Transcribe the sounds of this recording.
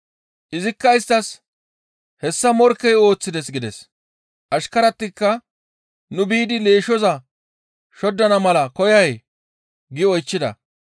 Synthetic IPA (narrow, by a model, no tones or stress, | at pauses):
ʔɪzɪkːɐɪst̪ɐs | hɛsːɐmɔɾkːɛjo̞ːt͡sːɪd̪ɛsɡɪd̪ɛs | ʔɐʃkɐɾɐt̪ːɪkːɐ | nʊbiːd̪ɪle̞ːʃɔzɐ | ʃɔd̪ːɐnɐmɐlɐkɔjɐj | ɡɪɔjt͡ʃːɪd̪ɐ̰